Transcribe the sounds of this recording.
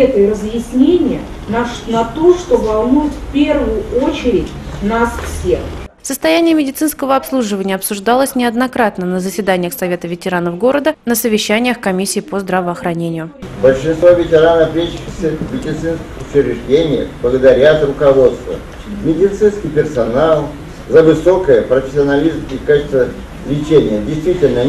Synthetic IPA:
ɛt̪əjrəzjɪsʲnʲenʲɪjə | nɐt̪oʂt̪o̞vɐlˠnujʊt̪fʲpʲervʊjʊot͡ɕɪɾʲɪtʲnasfsʲexfsəst̪ɐjænʲɪjəmʲɪdʲɪt̪sɨnskəvəɐpslˠuʐɨvənʲɪəɐpsʊʐd̪ɑlˠəsʲnʲɪɐd̪nɐkɾat̪nənəzəsʲvʲɪd̪anʲɪjəxsɐvʲe̞t̪əvʲɪtʲɪɾanəfɡo̞ɾəd̪ənəsəvʲɪɕːænʲɪjəxkɐmʲisʲːɪːpozd̪ɾəvəɐxɾɐnʲenʲɪjʊbəlʲʂɨnst̪vovʲɪtʲɪɾanəfmʲeɕɪxɪxsʲəmʲɪdʲɪt̪sɨnskʲɪxʊt͡ɕɪɾʲɪʐdʲenʲɪjə̰xblˠəɡəd̪ɐɾʲat̪ɾʊkɐvot̪st̪və̰ | mʲɪdʲɪt̪sɨnskʲɪjpʲɪrsɐnalˠ | zəvɨso̞kəjəpɾəfʲɪ̥sʲɪɐnɐlʲizmikat͡ɕɪ̥st̪və | lʲɪt͡ɕenʲɪjədʲɪjst̪vʲitʲɪlʲnə

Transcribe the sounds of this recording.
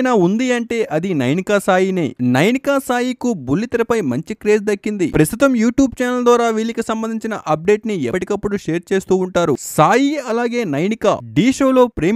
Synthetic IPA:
jnaːund̪iɐɳʈe̞ːʔɐd̪inɐjnikaːsaːjinḛːnɐjnikaːsaːjikubulːit̪ɐɾɐpɐjmɐɲt͡ʃikɾe̞ːd͡ʒd̪ɐkːind̪ipɾɐst̪ut̪ɐmjuːʈjuːb̚t͡ʃɛːnɐld̪ʋaːɾaːʋiːlikisɐmbɐnd̪iɲt͡ʃinɐ̰ʔɐp̚ɖe̞ːʈniɛɐʈikɐpːuɽuʃe̞ːɾt͡ʃe̞ːst̪uːɳʈaːɾṵsaːjiɐlaːɡe̞ːnɐjnika̰ːɖiːʂo̞ːlo̞ːpɾeː

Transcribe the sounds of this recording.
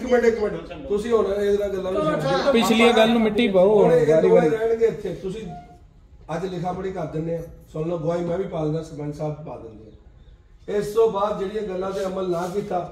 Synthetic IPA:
kmɛ̃kː | t̪ʊsĩːɦoːɽãːd̪nãːɡəlːãːnũːɪʈ̪eːpɪt͡ʃʰliãːɡəlːnũːmɪʈːiːpəooẽːɾiːiɾɛːɳkeːɪt̪ʰːeːt̪ʊsĩː | əd͡ʒlɪkʰaːpəɽiːkəɾd̪ɪnːeːãːsoːlnãːɡʊaːiːmɛ̃ːʋiːpaːlnãːsmɛ̃ːnsaːbpa̰ːd̪ɪnːeːɛ̃ː | ɪst̪õːbaːd̪d͡ʒeːɽiːãːɡəlːãːt̪eːəməlnãːk̬iːt̪aː

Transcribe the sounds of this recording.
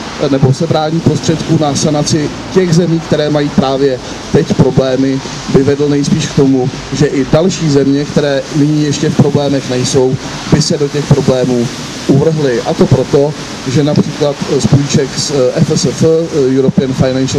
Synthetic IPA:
nɛbo̞sɛbɾaːɲipɾo̞st̪r̥ɛt̪kuːnasanat͡sɪ | cɛɣzɛmiːk̚t̪ɛɾɛːmajiːpɾaːvjɛ | t̪ɛcpɾo̞blɛːmɪ | bɪvɛdl̩nɛjspiːʃkt̪o̞mu | ʒɛʔɪdalʃiːzɛmɲɛkt̪ɛɾɛːnɪɲijɛʃcɛfpɾo̞blɛːmɛxnɛjso̞w | bɪsɛdo̞cɛxpɾo̞blɛːmuː | ʔuvr̩ɦlɪʔat̪o̞pɾo̞t̪o̞ | ʒɛnapr̝̥iːklat̪spojit͡ʃɛksʔɛfɛsəfjuɾopɪɛnfajnanʃ

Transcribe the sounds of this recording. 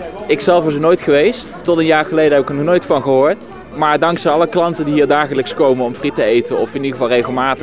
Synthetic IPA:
ɪksɛlˠfʋɑsənoːjtχəʋejstː | ɔtənjaːɹχəlejdəɦɛpɪkəɹnɔχnojtfɑnχəɦoːɹt | maːɹdɑŋksɛjɑləklɑntəndiɦiːɹdaːχələkskowmənɔmfritəejtəɔfɪnidəvɑlˠrejχəlˠmaːtə

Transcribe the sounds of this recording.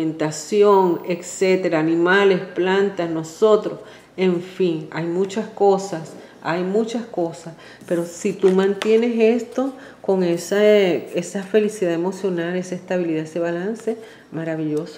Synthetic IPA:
ent̪asjo̞ŋekse̞t̪e̞ɾaːnĩmale̞splant̪asno̞so̞t̪ɾos | e̞ɱfiŋajmũt͡ʃasko̞sas | ajmũt͡ʃasko̞sas | pe̞ɾo̞sit̪umãnt̪je̞ne̞se̞st̪o̞ | ko̞ŋesaesafe̞lisiðae̞mo̞sjo̞nale̞seest̪aβiliðaese̞βalanse̞ | maɾaβiʎo̞so

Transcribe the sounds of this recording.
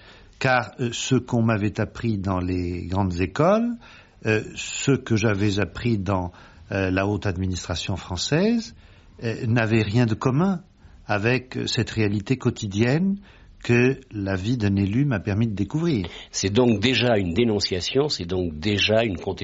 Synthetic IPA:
kaʁsəkɔ̃mavɛt̪apχid̪ɑ̃leɡʁɑ̃d̪zekɔl | səkəʒavɛzapχid̪ɑ̃ | laot̪ad̪minist̪χasjɔ̃fχɑ̃sɛz | navɛʁjɛ̃d̪əkɔmɛ̃ | avɛksɛt̪ʁealit̪ekɔt̪id̪jɛn | kəlavid̪ɛ̃nelymapɛʁmid̪əd̪ekuvʁiːʁsɛd̪ɔ̃k̚d̪eʒaynd̪enɔ̃sjasjɔ̃sɛd̪ɔ̃kd̪eʒaynkɔ̃t̪

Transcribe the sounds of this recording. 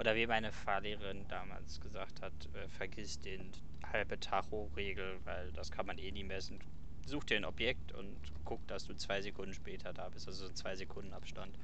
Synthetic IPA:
ʔoːdɐviːmaɪnəfaɐleːʁɐʁɪndaːma̰ːlsɡ̥əzaːkthatʔɛːfɛɐɡɪstd̥eːn | halbətʰaχoʁeːɡl̩va̰ɪldaskʰanmanʔeːniːmɛsn̩ | zuːxtd̥eːnɔpjɛk̚tʊ̰nt | ɡ̥ʊk̚d̥asd̥uːt͡sv̥aɪzekʰʊndn̩ʃpɛːtʰɐdaːbɪstʔalzozoːnt͡sv̥aɪzekʰʊndn̩ʔa̰pʃtant

